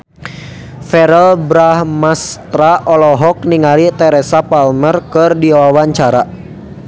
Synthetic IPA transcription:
fɛɾɛlbɾahmast̪ɾaʔɔlɔɦɔk̚niŋalit̪ɛɾɛsapalmərkɨrdiawawaɲt͡ʃaɾa

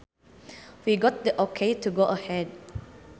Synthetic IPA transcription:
wiɡɔt̚diʔɔkʰetuɡoʔəhɛd̚

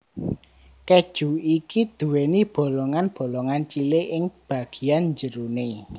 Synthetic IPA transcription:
kɛd̥ʒ̥ṳikid̪̥ṳwenib̥o̤lɔŋanb̥o̤lɔŋant͡ʃileʔɪŋb̥ä̤ɡ̥i̤anɲd͡ʒəɾune

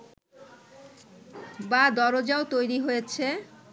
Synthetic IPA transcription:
bad̪ɔɾod͡ʑaot̪ojɾiɦojet͡ɕʰe

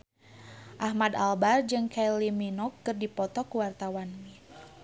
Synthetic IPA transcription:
ʔahmad̪albard͡ʒɨŋkajliminɔkːɨrdipɔt̪ɔkuwart̪awanmi

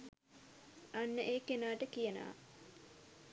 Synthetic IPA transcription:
anːəʔeːkenaːʈəkijəna̰ː

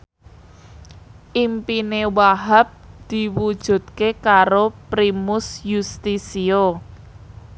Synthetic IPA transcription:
ʔimpinewaɦap̚d̪̥i̤wud̥ʒ̥ṳt̪̚kekaɾopɾimʊsjust̪isio

